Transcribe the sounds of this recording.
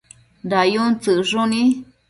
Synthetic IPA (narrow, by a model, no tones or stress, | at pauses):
dajunt͡sɨʐunĩ